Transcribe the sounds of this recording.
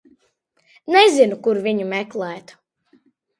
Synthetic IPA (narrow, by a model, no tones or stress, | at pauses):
nezinukuɾviɲumɛklˠɛːt̪u̥